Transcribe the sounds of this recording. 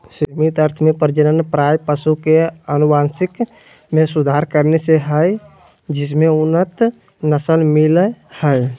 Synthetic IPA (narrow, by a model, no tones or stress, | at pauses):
simit̪əɾt̪ʰmẽpəɾd͡ʒənənpɾajpəsukeənubansɪk | mẽsud̪ʱaɾkəɾneseɦə | d͡ʒɪs̬meʊnət̪ | nəsəlmiləhəj